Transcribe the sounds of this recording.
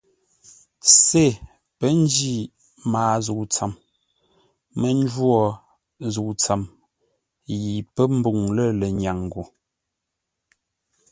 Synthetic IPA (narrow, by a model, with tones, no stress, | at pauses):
se˦˨ | pə˦n˦d͡ʒi˦˨ | maː˨zu˨t͡sa˨m | mə˦n˦d͡ʒwɔ˦˨ | zu˨t͡sa˨m | ji˨pə˦m̩˦bu˨ŋlə˦˨lə˨ɲa˨ŋ˨ɡo˨